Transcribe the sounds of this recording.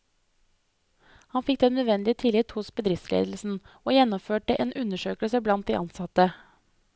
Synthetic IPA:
hɑnfɪkt̪eːnːød̪ʋɛnd̪ɪt̪ʰɪlɪt̪hʊsbəd̪ɾɪftslḛːd̪l̩sn̩ | ʔoːjɛnːɔføːʈəʔḛːnʉnəʃøːkəlsəblɑnt̪̚d̪ḭʔɑnsɑt̪ə

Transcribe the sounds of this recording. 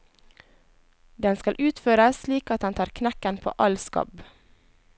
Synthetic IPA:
d̪ɛnskɑlʔʉːt̪føːɾəssliːkɑt̪̚ɛnt̪ʰɑːɾkʰnækənpʰo̰ːʔɑlskɑ̰b

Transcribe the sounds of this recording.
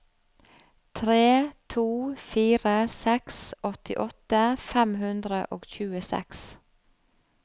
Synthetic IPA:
t̪ʰɾeːt̪ʰuːfiːɾəsɛksɔt̪ɪʔɔt̪əfɛmhʉnd̪ɾəʔoːɡçʉːəsɛ̰ks

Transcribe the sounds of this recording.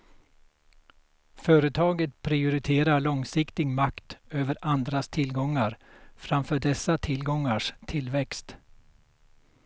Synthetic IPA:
fœːɾət̪ʰɑːɡət̪pʰɾɪʊɾɪt̪ʰeːɾaɭɔŋsɪkt̪ɪɡmakt̪øːvəɾand̪ɾast̪ʰɪlɡɔŋːaɾfɾamfœːɖɛsːat̪ʰɪlɡɔŋːaʂt̪ʰɪlːvɛkst̪

